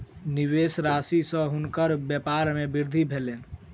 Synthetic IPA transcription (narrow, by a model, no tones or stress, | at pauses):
niβesɾasisə̃ɦunkəɾbjepaɾmebiɾd̪ʱibʱelen